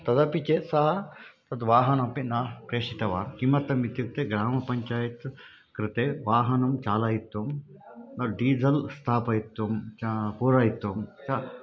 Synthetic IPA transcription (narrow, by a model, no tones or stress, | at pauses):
t̪ɐd̪ɐpit͡ʃeːsɐɦɐt̪ɐd̪ʋaːɦɐnɐpinaːkɾeːʂit̪ɐʋaːɾkimɐt̪ɐmit̪juk̚t̪eɡɾaːmɐpɐɲt͡ʃaːjɐt̪ | kɾɪt̪eːʋaːɦɐnɐmt͡ʃaːlaːjit̪ʋɐm | nɐɖiːd͡zɐlst̪ʰaːpɐjit̪ːʋɐmt͡ʃpuːɾaːjit̪ːʋɐmt͡ʃɐ